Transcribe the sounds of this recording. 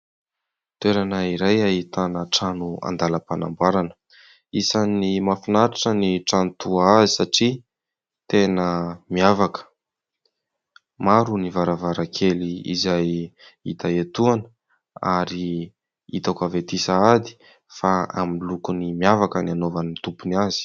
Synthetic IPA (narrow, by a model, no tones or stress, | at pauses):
t̪ueɾanəiɾajaɦit̪anəʈ͡ʂanua̰nd̪aləpana̰mbaɾanə̥ | isanimafinaɾaʈ͡ʂəniʈ͡ʂant̪uaazisaʈ͡ʂi | t̪enəmiavakə̥ | maɾunivaɾavaɾakʰeliḭzajḭt̪aet̪uanə | a̰ɾi | it̪akavet̪isaad̪i̥ | faa̰milukunimiavakənianovanit̪upunazi̥